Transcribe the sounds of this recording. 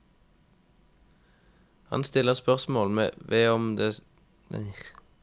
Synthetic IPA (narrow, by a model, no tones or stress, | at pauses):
hɑ̰nst̪ɪləʁspœʁsmoːlmḛːʋeːɔmd̪ḛː